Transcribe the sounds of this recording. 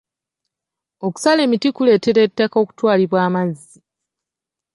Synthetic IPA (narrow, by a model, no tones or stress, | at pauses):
o̞ku̥sale̞ːmitikule̞ːte̞ɾe̞tːako̞ːku̥twaːliβwaːmazːi